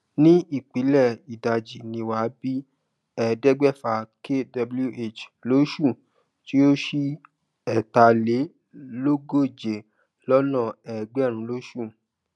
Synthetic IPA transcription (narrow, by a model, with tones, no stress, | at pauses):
nĩ˦i˦˨k͡pi˨˦lɛ˦˨i˨da˨d͡ʒi˨nĩ˧wa˨˦bi˦ | ɛ˦˧dɛ˦ɡ͡bɛ˦˨fa˧kʰe˦da˧blu˦ʔe˦˨t͡ʃlo˦ʃu˦˨ | ti˦o˦ʃi˦ | ɛ˦˨ta˧le˨˦ | lo˦ɡo˦˨d͡ʒe˨ | lɔ˦nɔ̃˦˨ɛ˨ɡ͡bɛ˦˨ɾ̃ũ˧˦lo˦ʃu˦˨